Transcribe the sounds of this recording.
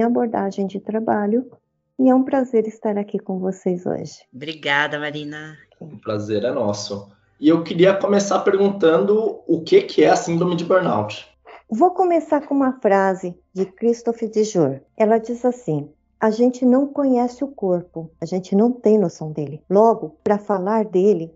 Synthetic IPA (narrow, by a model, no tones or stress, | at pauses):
aboɾd̪aʒẽj̃d͡ʒɪt̪ɾabaʎʊ | ɪɛũpɾazeɾɪst̪aɾakikõw̃vosejzo̰ʒɪ̥bɾiɡad̪ɐmaɾĩnɐ | ʊpɾazeɾɛnɔsʊ | ɪewkɪɾiɐkõmesapeɾɡũnt̪ɐ̃nd̪ʊʊkekʰɪɛasĩd̪ɾomĩd͡ʒɪbeɾna̰wd͡ʒɪ̥ | vokõmesaɾkõũmɐfɾazɪ | d͡ʒɪkɾist̪ofɪd͡ʒɪʒoɾɛlɐd͡ʒizasĩ | aʒẽnt͡ʃɪnɐ̃w̃kõɲɛsɪʊkoɾpʊaʒẽnt͡ʃɪnɐ̃w̃t̪ẽj̃lʊsɐ̃w̃d̪elɪlɔɡʊpɾɐfalaɾd̪elɪ